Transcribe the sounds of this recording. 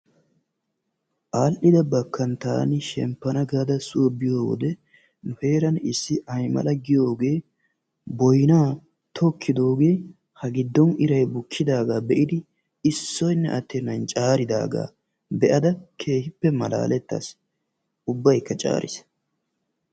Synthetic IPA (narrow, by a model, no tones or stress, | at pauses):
ʔaːlʔɪd̪ɐbɐkːɐnt̪aːnɪʃɛ̰mpːɐnɐɡaːd̪ɐsʊʔɔbɪjoːwɔ̰d̪ɛ | nʊhe̞ːɾɐnɪsːɪʔɐjmɐ̰lɐɡɪjo̞ːɡe̞ː | bɔjnaː | t̪ʰɔkʰːɪd̪o̞ːɡe̞ː | hɐɡɪd̪ːɔnɪɾɐjbʊkʰːɪd̪aːɡaːbɛʔɪd̪ɪ | ɪsːɔjnːɛʔɐt̪ːenɐnt͡ʃʼaːɾɪd̪a̰ːɡa̰ː | bɛʔɐd̪ɐkʰe̞ːhɪpːɛmɐla̰ːlɛt̪ːa̰s | ʊbːɐjkːɐt͡ʃʼa̰ːɾʔɪ̰s